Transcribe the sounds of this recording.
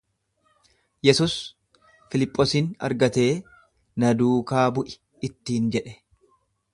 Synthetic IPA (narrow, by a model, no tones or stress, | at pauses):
jɛsuːs | fɪlɪpʼːosiːnɐ̰ɾɡɐt̪e̞ː | nɐd̪uːkaːbʊʔɪ̥ | ɪt̪ːiːnd͡ʒɛᶑɛ̥